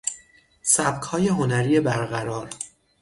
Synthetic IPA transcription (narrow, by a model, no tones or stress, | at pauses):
sæb̚kʰhɒːje̞ɦo̞næɾiːje̞bæɾɣæɾɒːɾ